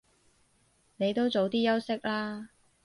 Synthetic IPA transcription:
ne˨˧jt̪o˥wt͡so˨˧wt̪iː˥jɐ˥wsɪ˥k̚laː˥

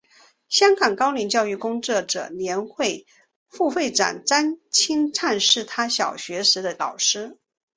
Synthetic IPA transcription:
ɕjɑ˥ŋkɑ˨˩ŋkɑ˥ʊli˧˥nt͡ɕjɑ˥˧ʊy˥˩kʊ˥ŋʈ͡ʂɤ˥˩ʈ͡ʂɤ̰˨˩ljɛ˧˥nxwe˥˧ɪ | fu˥˧fe˥˩ɪʈ͡ʂa̰˨˩nʈ͡ʂa˥nt͡ɕʰi˥ŋʈ͡ʂʰa˥˧nʂɻ̩˥˩t̪ʰa˥ɕjɑ˨˩ʊɕɥɛ˧˥ʂɻ̩˧˥d̪ə˧lɑ˨˩ʊʂɻ̩˥

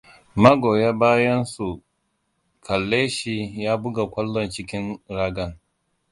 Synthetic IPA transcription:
mɐ˦ɡoː˨ja˦baː˦jɐ˦nsu˨ | kʰɐ˨lːeː˦ʃi˦jaː˦bʊ˦ɡa˨kʷɐ˦lːɔ˨nt͡ʃɪ˦kʲɪ˦nɾaː˦ɡɐ˨n

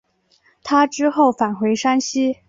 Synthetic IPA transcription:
t̪ʰa˥ʈ͡ʂɻ̩˥xo˥˩ʊfa˨˩nxwe˧˥ɪʂa˥nɕi˥

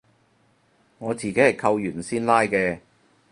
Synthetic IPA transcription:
ŋɔː˨˧t͡siː˨ke˨˥jhɐ˨˩jkʰɐ˧wjyː˨˩nsiː˥nlaː˥jkɛː˧

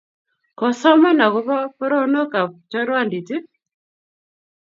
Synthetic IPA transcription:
kɔ˨sɔ˦ma˦na˨ɣu˦βa˦pɔ˦ɾɔ˦nɔ˦ka˨t͡ʃɔ˦ɾwa˦ndi˨ti˦

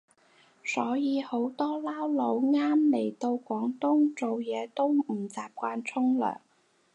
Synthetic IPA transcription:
sɔː˨˥jiː˨˧ho˨˥wt̪ɔː˥laː˥wlo˨˧wŋaː˥mle˨˩jt̪o˧wkʷɔː˨˥ŋt̪ʊ˥ŋt͡so˨wjɛː˨˧t̪o˥wm̩˨˩t͡saː˨p̚kʷaː˧nt͡sʰʊ˥ŋlœ̰ː˨˩ŋ

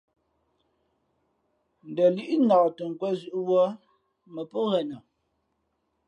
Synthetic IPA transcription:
n̩˨də˨li˦ʔi˦nɔ˨tə˨ŋ˨kwɛ˦zʉ˦ʔwɔ˦ | mə˨po˦ɣɛ˨nə˨

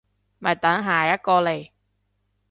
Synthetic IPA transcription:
mɐ˨˩jt̪ɐ˨˥ŋɦaː˨˩jɐ˥t̚kɔː˧le˨˩j

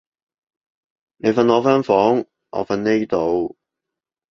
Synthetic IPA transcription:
ne˨˧jfɐ˧nɔː˨˧fœː˥ŋfɔː˨˥ŋ | ʔɔ̰˨˧fɐ˧nne˥jt̪o˨˧w

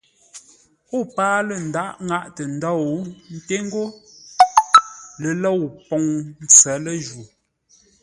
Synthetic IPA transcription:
o˦˨paː˦lə˨n̩˨da˦ʔŋa˦˨ʔtə˨n̩˨dɔ˦˨˦n̩˦te˦ŋ˦ɡo˦ | lə˨lɔ˦˨wpɔ˨ŋn̩˦t͡sɛ˨˦lə˦ʒu˨

